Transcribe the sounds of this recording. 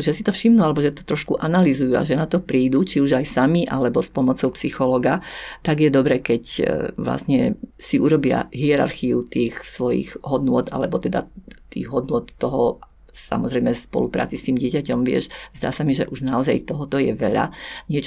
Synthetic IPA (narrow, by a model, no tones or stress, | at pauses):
ʒɛsit̪ɔfʃimnualɛbɔʒɛt̪ɔ̥t̪ɾɔʃkuʔanalizujua̰ʒɛnat̪ɔpɾiːd̪ut͡ʃiuʒajsamiʔa̰lɛbɔspɔmɔt͡sɔʊpsixɔlɔɡat̪aɡjɛd̪ɔbɾɛːkɛcʋla̰sɲɛsiʔuɾɔbɪa̰ɦiɛɾa̰ɾxiut̪iːxsʋɔjḭɣɦɔd̪nʊɔt̪a̰lɛbɔt̪ɛd̪a̰t̪ḭːɣɦɔd̪nʊɔt̪ːɔɦɔ | sa̰mɔzɾɛjmɛspɔ̰lupɾa̰ːt͡sist̪iːmɟɪɛcacɔmʋɪɛ̰ʃzd̪a̰ːsamiʒɛ̰ʔuʒnaɔza̰jt̪ɔɦɔt̪ɔjɛ̰ʋɛʎa̰ɲɪɛt͡ʃ